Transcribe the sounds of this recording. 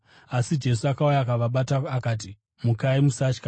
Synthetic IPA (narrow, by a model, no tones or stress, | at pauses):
asid͡ʒe̞suakaujaːkaʋaɓataakaːt̬i | mukaimusaːt͡ʃka